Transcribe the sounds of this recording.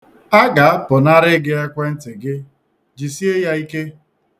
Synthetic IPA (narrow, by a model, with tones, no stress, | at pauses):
a˦ɡa˨a˦pʊ˨na˦ɾɪ˦ɡɪ˦a˦kʷe˦n̩˦tɪ˨ɡɪ˦ | d͡ʒi˨si˦e˦ja˦i˦ke˦